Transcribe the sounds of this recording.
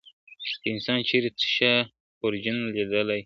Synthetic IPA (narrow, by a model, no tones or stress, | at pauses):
d̪̥əɪnsɑnt͡ʃeɾet͡sə̥ʃa | poɾd͡ʒənled̪əlaj